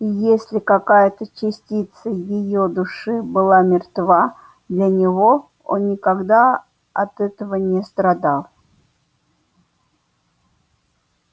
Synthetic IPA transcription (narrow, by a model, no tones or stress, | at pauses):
jesʲlʲɪkɐkajət̪ət͡ɕɪsʲtʲit̪səjɪjod̪ʊʂɨbɨlˠamʲɪrt̪va | d̪lʲɐnʲɪvo | o̰nːʲɪkɐɡd̪a | ɐt̪ɛt̪əvənʲɪst̪ɾɐd̪alˠ